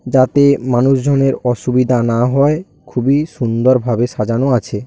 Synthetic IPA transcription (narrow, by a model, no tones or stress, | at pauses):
d͡ʑat̪emanuʃd͡ʑʱoneɾɔʃubid̪ʱanaɦɔe | kʰubiʃund̪oɾbʱabeʃad͡ʑanoat͡ɕʰe